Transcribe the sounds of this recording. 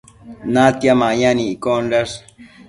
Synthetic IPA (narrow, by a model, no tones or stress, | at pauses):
nat̪jamajaniːkonɾas